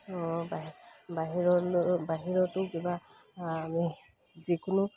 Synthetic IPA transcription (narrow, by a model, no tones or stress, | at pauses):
ɔbabaɦiɾɔbaɦiɾɔtukibaː | mi | zikunu